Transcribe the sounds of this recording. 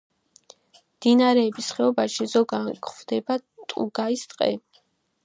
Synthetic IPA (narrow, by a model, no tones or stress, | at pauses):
md̪̥inaɾɛːbisχɛɔbaʃizɔɡakvd̪ɛbat̪ʼṵɡaist̪ʼqʼɛ̰